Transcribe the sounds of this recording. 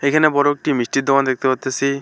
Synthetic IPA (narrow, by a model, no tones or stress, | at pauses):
ekʰanebɔɾok̚ʈimisʈit̪̚d̪ɔkand̪ek̚t̪epat̪esi